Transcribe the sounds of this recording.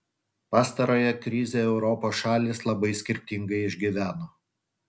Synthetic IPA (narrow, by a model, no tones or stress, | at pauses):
pɑːst̪ɐɾoːjɛkɾʲɪzʲeɛʊɾɔpoːsʃɑːlʲislˠɐbɐɪsʲkʲɪɾʲt̪ʲɪŋɡɐɪɪʒʲɡʲiʋʲæːnoː